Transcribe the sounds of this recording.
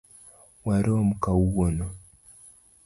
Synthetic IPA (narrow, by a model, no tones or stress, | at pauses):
waɾiomukawuɣono